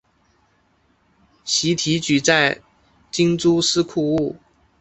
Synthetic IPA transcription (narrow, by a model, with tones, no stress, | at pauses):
ɕi˧˥t̪ʰi˧˥t͡ɕy˨˩t͡sa˥˩ɪ | t͡ɕi˥ŋt͡su˥sɹ̩˥kʰu˥˧u˥˩